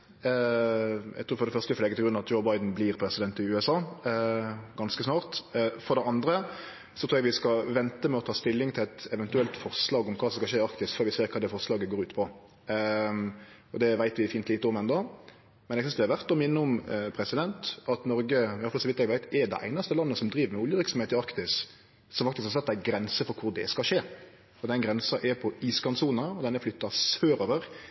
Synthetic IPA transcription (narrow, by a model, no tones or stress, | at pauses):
æ̰ɡt̪ʰɾuːɾfɔɾd̪ɛfœʁst̪əfɔlɛːɡəɪɡɾʉnɑʋɑt̪d͡ʒɔʊbɑɪd̪n̩blɪɾpʰɾɛsɪd̪ɛnt̪ɪʉːɛsɑː | ɡɑnskəsnɑːʁt̪fɔɾd̪ɛɑnd̪ɾə | sɔt̪ʰɾuːjɛɡʋɪskɑʋɛnt̪əmɛɔt̪ʰɑːst̪ɪlːɪŋt̪ʰɪlɛt̪ɛʋɛnt̪ʉɛlt̪fɔʁslɑːɡɔmkʰɑːsɔmskɑʃeːɑkt̪ɪst̪fœːɾʋɪseːɾkʰɑːd̪ɛfɔʁslɑːɡəɡoːɾʉːt̪pʰɔ | ɔd̪ɛʋæɪt̪ʋɪfiːnt̪liːt̪əɔmɛnd̪ɑ | mɛnɛɡsʏnsd̪ɛhɑʋæʁt̪ɔmɪnːəʊmpʰɾɛsɪd̪ɛnt̪ɑt̪nɔɾɡəjɑfɑlsɔʋɪt̪ːɛɡʋæɪt̪ɛɾd̪ɛ̰ʔæ̰ɪnɑst̪əlɑnːəsɔmd̪ɾiːʋəɾmɛʊljəʋɪɾksɔmheːt̪ɪɑkt̪ɪs | sɔmfɑkt̪ɪskhɑsɛt̪ːæɡɾɛnsəfɔɾkʰʊʁd̪ɛ̰skɑʂeː | fɔd̪ɛnɡɾɛnsɑʔɛɾpʰɔiːskɑnsuːnəəɔd̪ɛnːəflʏt̪ːɑsøːɾoːʋəɾ